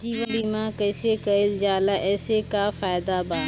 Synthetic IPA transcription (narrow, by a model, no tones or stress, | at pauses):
d͡ʒiːʋəliːmãkəɪsekɐɪld͡ʒaːlaʔɛːsekafaːɪd̪abaː